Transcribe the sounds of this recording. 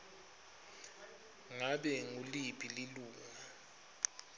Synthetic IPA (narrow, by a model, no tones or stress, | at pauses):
ŋaɓɛŋulipʰʼililuːŋa